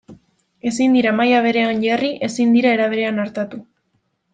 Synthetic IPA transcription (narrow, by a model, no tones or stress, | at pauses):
e̞sind̪iɾamajaβ̞e̞ɾe̞anʎariʔe̞sind̪iɾae̞ɾaβ̞e̞ɾe̞anaɾt̪at̪u